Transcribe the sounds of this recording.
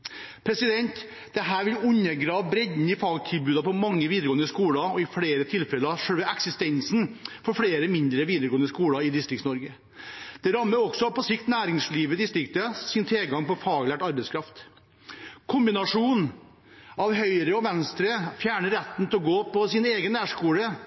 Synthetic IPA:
pʰɾɛsɪd̪ɛnt̪ | d̪̥ɛɦæːɾʋɪlʉɲːəɡɾɑːʋbɾɛd̪n̩ɪfɑːɡt̪ʰɪlbʉːd̪ɑpɔmɑŋːəʋiːd̪əɾɡoːənəskuːlɑɔɪfɽeːɾət̪ʰɪlfɛləɾɑʂœʋəʔɛksɪst̪ɛnsnfɔɾfɽeːɾəmɪnd̪ɾəʋiːd̪əɾɡoːənəskuːlɑɪd̪ɪst̪ɾɪkt̪snɔɾɡə | d̪̥ɛɾɑmːəɾɔksɔpʰɔsɪkt̪næːɾɪŋsliːʋəd̪ɪst̪ɾɪkt̪əsɪnt̪ʰeːɡɑŋpɔfɑːɡlæːʈɑɾbɛɪskɾɑft̪ | kʰʊmbɪnɑʂuːn | ɑʋɦœʏɾəɔʋɛnst̪ɾəfjæːɳəɾɛt̪n̩t̪ɛɔɡoːpʰɔsɪneːɡənːæːʂkuːɽə

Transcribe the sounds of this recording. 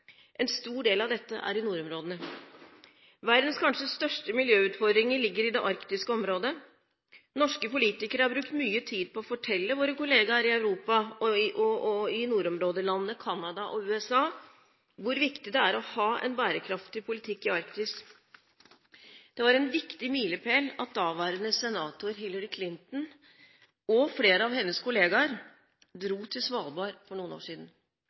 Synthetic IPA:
ʔɛnst̪uːɖeːlɑʋd̪ɛt̪ːə̰ʔæ̰ɾɪnuːɾɔmɾoːd̪ənə | ʋæɾd̪ənskʰɑnʂəst̪œʂʈəmɪljøːʉːt̪fɔd̪ɾɪŋəɭɪɡːəɾɪd̪ɛʔɑɾkt̪ɪskəɔmɾoːd̪ə | nɔʂkəpʊliːt̪ɪkəɾəhɑɾbɾʉkt̪myːət̪ʰiːd̪̚pʰɔɔfɔʈʰɛlːəʋoːɾəkʊleːɡɑɾɪœʉɾuːpɑɔʔɔɔɪnuːɾɔmɾoːd̪əlɑnənəkʰɑnːɑd̪ɑʔɔʉːɛsɑː | ʋʊɾʋɪkt̪ɪd̪ɛæɾɔhɑːʔɛ̰nbæːɾəkʰɾɑft̪ɪpʰʊlɪt̪ʰɪkːɪɑɾkt̪ɪs | d̪̥ɛʋɑɾɛnʋɪkt̪ɪmiːləpʰeːlɑt̪̚d̪ɑːʋæːɾənəsɛnɑːt̪ʊɾɦɪlːəɾɪkʰlɪnt̪n̩ | ɔfleːɾəɑʋhɛnːəskʰʊleːɡɑɾ | d̪ɾuːt̪ʰɪlsʋɑːlbɑːɾfɔɳuːəno̰ːʂiːd̪n̩

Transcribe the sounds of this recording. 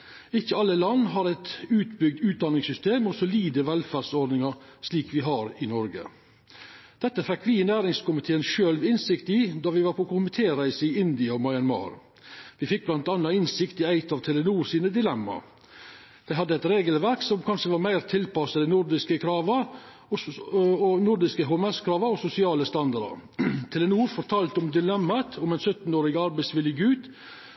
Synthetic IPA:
ɪçːəɑlːəlɑnːɦɑɾæɪt̪ʉːt̪bʏɡ̚d̪ʉːt̪̚d̪ɑnɪŋsʏst̪eːmɔsɔliːd̪əʋɛlfæːɾsɔɾd̪nɪŋɑɾʂliːkʋɪɦɑɾɪnɔɾɡə̰ | d̪̥ɛt̪ːəfækːʋɪnæːɾɪŋskʊmɪt̪ʰeːənʃøːlʋɪnsɪkt̪ɪd̪ɑʋɪʋɑːɾpʰɔkʰʊmɪt̪ʰeːɾæɪsəɪɪnd̪ɪɔmɑɪɑnmɑ̰ːɾ | ʋɪfɪk̚ːblɑnt̪ɑnːɑɪnsɪkt̪ɪæɪt̪ɑʋt̪ʰɛlənuːɾsiːnəd̪ɪlɛmːɑ̰ | d̪̥æɪɦhɑd̪əɛt̪ɾeːɡəlʋæɾksɔmkʰɑnʂəʋɑːɾmæɪɾt̪ʰɪlpɑsəd̪ɛnʊɾd̪ɪskəkʰɾɑːʋɑ | ɔɔnʊɾd̪ɪskəɦoɛmɛskʰɾɑːʋɑɔsʊsɪɑːləst̪ɑnd̪ɑɾə̰ɾt̪ʰɛlənuːɾfɔɾt̪ʰɑːlt̪ɔmd̪ɪlɛmːɑt̪ʰɔmɛɪnsœt̪n̩oːɾɪɡəɑɾbæɪsʋɪljəɡʉːt̪

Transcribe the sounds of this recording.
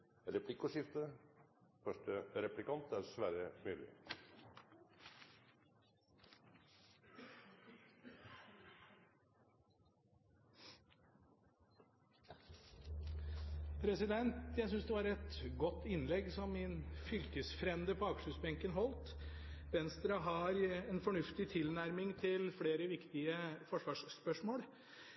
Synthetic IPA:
ɾɛpʰlɪkʊʂɪft̪ə | fœʂʈəɾɛplɪkɑnt̪æɾsʋæːɾəmyːlɪ̰ | pʰɾɛsɪd̪ɛnt̪jæɪs̬ʏnsd̪ɛʋɑɾɛt̪ɡɔt̪ːɪnlɛɡsɔmɛnfʏlk̪əsfɾɛmd̪əpʰɔɑkʂəsbɛŋkənɦɔlt̪ | ʋɛnst̪ɾɑɦɑɾɛnfɔɳʉft̪ɪt̪ʰɪlnæɾmɪŋt̪ʰɪlfleːɾəʋɪkt̪ɪəfɔʂʋɑːʂspœʂmoːɽ

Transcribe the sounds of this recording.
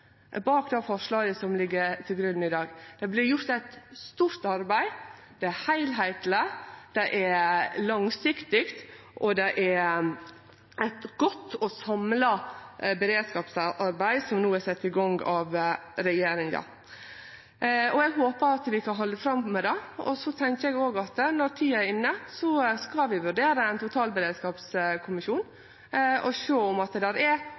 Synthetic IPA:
bɑːkd̪ɛfɔʂlɑːɡəsɔmlɪɡːət̪ʰɪlɡɾʉnn̩ɪd̪ɑːɡd̪̥ɛblɪɾjʊɾt̪æɪt̪st̪uːɾt̪ɑɾbæɪ | d̪̥ɛæhæɪlɦæɪt̪ləd̪̥ɛʔælɑŋsɪkt̪ɪkt̪ | ʔɔd̪ɛʔæɾ | æɪt̪ɡɔt̪ːɔsɑmlɑbɛɾeːd̪skɑːpsɑʔɑɾbæɪsɔmnuːæsɛt̪ːɪɡɑŋɡɑʋɾɛjeːɾɪŋɑ̰ | ɔɛɡɦoːpəɾɑt̪ʋɪkʰɑnɦɔlːəfɾɑmmɛd̪ɛɔsɔt̪ʰɛŋkəɛɡoːɡɑt̪nɔɾt̪ʰiːəɪnːəsɔskɑʋɪʋʉɾɖeːɾəæɪnt̪ʊt̪ʰɑːlbəɾeːd̪skɑːpskʰʊmɪʃuːn | ɔʃoːɔmɑt̪d̪æɾæ

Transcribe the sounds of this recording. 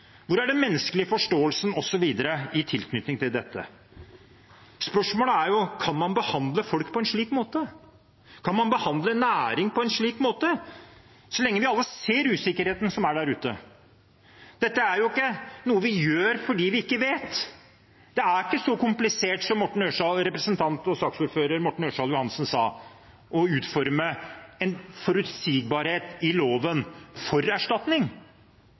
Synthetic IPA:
ʋʊɾæɖɛnmɛnːəskəlɪəfɔʂʈoːəlsənɔsɔʋiːd̪əɾəɪt̪ʰɪlkʰnʏt̪nɪŋt̪ʰɪld̪ɛt̪ːə̰ | spœʂmoːləæɾjʊkʰɑnmɑnbəhɑnd̪ləfɔlkpʰɔɛnʂɭiːkmoːt̪ə | kʰɑnmɑnbəhɑnd̪lənæːɾɪŋpʰɔɛnʂɭiːkmoːt̪ə | sɔlɛŋːəʋɪɑlːəseːɾʉːsɪkːəɾheːt̪n̩sɔmæɖæɾʉːt̪ə̰ | d̪̥ɛt̪ːəæɾjʊɪkːənuːəʋɪjøːɾfɔɖiːʋɪɪkːəʋeːt̪ | d̪̥ɛæɾɪkːəsɔkʊmplɪseːʈsɔmːɔʈːɳ̩øːʂɑlɾɛpɾəsənt̪ʰɑnt̪ɔsɑːksuːɾføːɾəɾmɔʈːɳ̩øːʂɑːljʊhɑnsnsɑ̰ː | ʔɔʉːt̪fɔɾməɛnfɔɾʉt̪siːɡ̚bɑːɾheːt̪ɪloːʋənfɔɾæʂʈɑt̪nɪŋ

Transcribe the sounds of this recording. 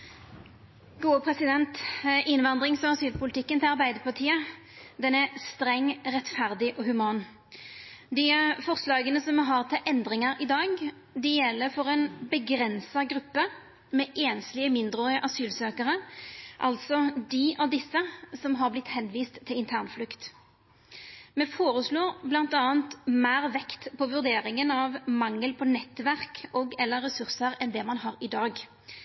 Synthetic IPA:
ɡ̥uːəpʰʁɛsɪd̪ɛnt̪ʔɪnʋɑnd̪ʁɪŋsɔɑsyːlpʰʊlɪt̪ʰɪkːənt̪ɪlɑʁbæɪd̪əpɑʁt̪ʰiːə | d̪ɛnæʁst̪ɾɛŋːʁɛt̪fæʁd̪ɪʔɔhʉmɑːn | d̪ɪfɔʁslɑːɡənəsɔmɦɑʁt̪ʰɪlʔɛnd̪ʁɪŋɑɾɪd̪ɑːɡ | d̪ɪjɛlːəɾfɔʁɛnbəɡɾɛnsɑɡɾʉpːə | mɛʔeːnslɪəmɪnd̪ʁoəʔɑsyːlsøːkəʁəʔɑ̰lt̪sɔd̪iʔɑʋd̪ɪsːəsɔmɦɑʁblɪt̪hɛnʋiːst̪ʰːɪlɪnt̪ʰæːʁnflʉkt̪ | mɛfoːɾəsloːʁblɑnt̪ɑːənt̪mæːʁʋɛkt̪pʰɔʋʉʁd̪eːɾɪŋənɑʋmɑŋːəlpʰɔnɛt̪ʋæʁkʰɔɡɛlːəɾːɛsʉʁsəɾɛnd̪ɛmɑnɦɑɾɪd̪ɑːɡ

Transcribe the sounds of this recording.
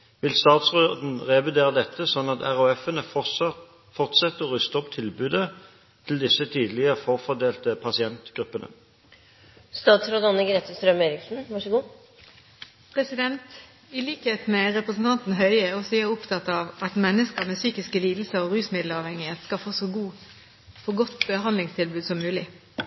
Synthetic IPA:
ʋɪlst̪ɑːt̪sʁod̪n̩ʁɛʋɪd̪eːʁəd̪ɛt̪ːəsɔnːɑt̪æʁʉɛfənə | fɔʁt̪sɛt̪ːəɔʁʉst̪əɔpt̪ʰɪlbʉːd̪ə | t̪ʰɪld̪ɪsət̪ʰiːd̪əlɪəfoːʁfɔd̪eːlt̪əpʰɑsɪɛnt̪ɡ̥ʁʉpːənʔə̰ | st̪ɑːt̪sɾoːd̪ɑnːəɡɾeːt̪əst̪ɾœmeːɾɪksn̩ʋɑʂəɡuː | pʰʁɛsɪd̪ɛnt̪ | ɪliːkheːt̪mɛʁɛpʁɛsn̩t̪ʰɑnt̪n̩ɦœʏɛɔsiəʊpt̪ʰɑt̪ːɑʋɑt̪mɛnːəskəʁmɛːsyːkɪskəliːd̪l̩səɾɔɾʉːsmɪd̪lɑːʋhɛŋɪheːt̪skɑfoːsɔɡuː | fɔɡɔt̪ːbəhɑnd̪lɪŋst̪ʰɪlbʉːd̪sɔmːʉːlɪ

